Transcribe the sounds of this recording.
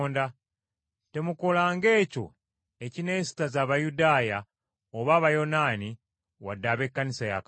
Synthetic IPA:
nda | te̞muko̞laːŋɡe̞ːco̞̰ | e̞cine̞ːsi̥tazaːβajudaːja | oβaːβajo̞naːni | wadːaːβe̞kːanisaja̰k

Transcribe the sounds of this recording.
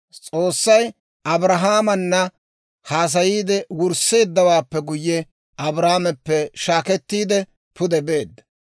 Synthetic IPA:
t͡sʼo̞ːsːɐj | ʔɐbɾɐɦaːmɐnːɐ | haːs̬ɐjiːd̪ɛwʊɾse̞ːd̪ːɐwaːpːɛɡʊjːɛ | ɐbɾaːmɛpːɛʃaːkɛt̪ːiːd̪ɛ | pʊd̪ɛbe̞ːd̪ːɐ̥

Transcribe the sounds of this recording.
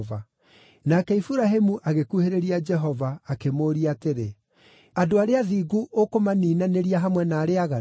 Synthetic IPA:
va | nakɛifuɾaɦemuʔaɣekuheɾeɾiad͡ʒɛɦɔvaːkemoːɾiateɾe | adoaɾeaðiːɡuʔokomaniːnaneɾiaɦamwɛnaːɾeaɣa

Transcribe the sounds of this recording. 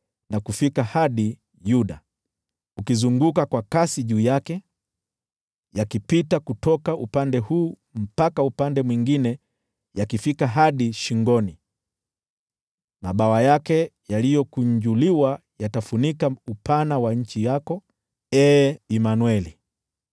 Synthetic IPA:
nakufikahaɗi | juɗa | ukizuŋɡukakwakasiʄuːjakɛ | jakipitakutɔkaupandɛhuː | m̩pakaupandɛmwiŋɡinɛ | jakifikaɦaɗiʃiŋɡɔni | maɓawajakɛjalijɔkuɲd͡ʒuliwajatafunikaupanawaɲ̩t͡ʃijakɔ | ɛːimanwɛli

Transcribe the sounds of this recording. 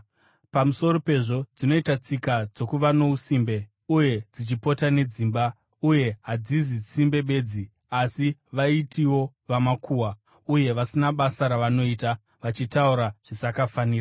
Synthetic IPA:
pamuso̞ro̞pe̞ʐo̞d͡zino̞itat͡sikad͡zo̞kuʋano̞usimbe̞ | uje̞d͡zit͡ʃipo̞tane̞d͡zimba | uje̞ɦad͡zizit͡simbe̞ɓe̞ːd͡zi | asiʋaitʰiwo̞ | ʋamakʰuwa | uje̞ʋasinaɓasaɾaʋano̞iːta | ʋat͡ʃitauɾaʐ̥isakafaniːra

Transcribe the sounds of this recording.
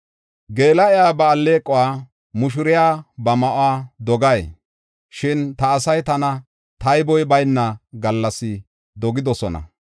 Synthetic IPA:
ɡe̞ːlɐɛjaːbɐːlːe̞ːkʼːɔwaː | mʊʃ̬ʊɾɪjaːbɐmɐʔʊwaːd̪ɔɡɐj | ʃɪnt̪ɐːsɐjt̪ɐnɐ | t̪ɐjbɔjbɐjnːɐɡɐlːɐsɪ | d̪ɔɡɪd̪ɔsɔnɐ̰

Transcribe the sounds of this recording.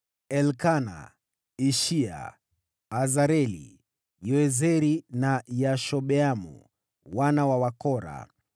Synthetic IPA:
ɛlkana̰ | iʃia̰ː | zaɾɛlḭ | jɔɛzɛɾinajaʃɔɓɛamṵ | wanawawakɔɾa̰

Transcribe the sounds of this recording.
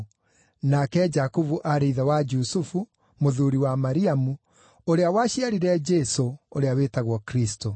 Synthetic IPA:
nakɛd͡ʒakuvuʔaɾeiðawad͡ʒusufu | moðuɾiwamaɾiamu | oɾeawaɕiaɾiɾɛd͡ʒɛsooɾeawetaɣwɔkɾisto

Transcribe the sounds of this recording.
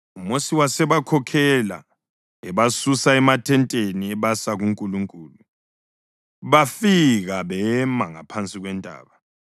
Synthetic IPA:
umosiwasɛβakʰɔkʰɛla̰ | ɛβasusaɛmatʰɛntʼeniɛβasaɣuŋkʼuluŋkʼulu | βafiɣaβɛmaŋa̰pʰant͡sʼiɣwɛndʱʼa̰ːβa

